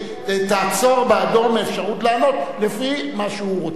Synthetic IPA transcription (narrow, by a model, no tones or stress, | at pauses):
et̪aːt͡so̞ʁbead̪o̞ʁmeːfʃaʁutlaːno̞t̪lefimaʃeuʁot͡s